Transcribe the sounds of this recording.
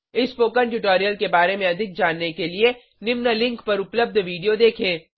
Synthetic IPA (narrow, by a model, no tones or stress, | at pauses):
ɪspoːkə̃ɳʈʊʈoːɾijəlkebaːɾemẽɐd̪ʱɪk̚d͡ʒaːnːekelie | nɪmnəlɪ̃ŋkpɐɾʊpləb̚d̪ʱʋiːɖijod̪eːkʰẽː